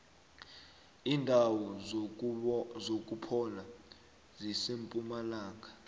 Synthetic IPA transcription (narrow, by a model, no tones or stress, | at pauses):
iːndʱawɔ | zok̬ʼupʰɔna | zisempʼumalaːk̬ḁ